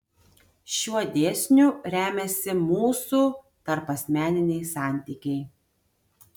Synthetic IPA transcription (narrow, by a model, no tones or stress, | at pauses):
ʃʲuɔd̪ʲeːsʲnʲuɾʲæːmʲɛsʲɪmuːsuː | t̪ɐɾpɐsʲmʲæːnʲɪnʲɛɪsɑˑnʲt̪ʲiːkʲɛɪ